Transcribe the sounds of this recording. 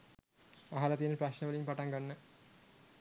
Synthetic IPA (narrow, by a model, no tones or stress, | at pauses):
aɦalat̪ijənəpraɕnəʋɐlimpaʈaŋɡanːə